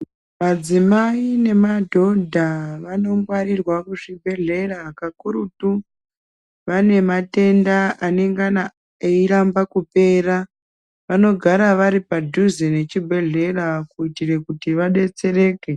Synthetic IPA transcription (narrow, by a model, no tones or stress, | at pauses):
mad͡zimaine̞madʱo̞dʱaʋano̞ŋɡwaɾirwakuʐibʱe̞ɮe̞rakakuɾutu | ʋane̞mate̞ndaʔane̞ŋɡana | eiɾambakupe̞ːra | ʋano̞ɡʱaɾaʋaɾipadʱuzene̞t͡ʃibʱe̞ɮe̞rakuitire̞kutiʋaɗe̞t͡se̞re̞ːke̞